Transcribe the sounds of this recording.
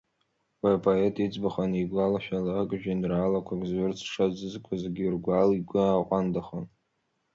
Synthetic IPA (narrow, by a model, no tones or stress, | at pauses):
wapʰoetʰʼid͡zbaχaniɡʷalaʃᶣalakʼʒᶣinraːlakʷʰaɡʼzɥʊrt͡sʰʂazɨzkʷʰazɡʲirɡʷaliɡʷʊaqʷʼandaχon